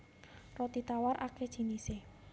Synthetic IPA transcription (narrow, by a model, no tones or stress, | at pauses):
rɔt̪it̪awaɾʔake̥ʒ̥i̤nise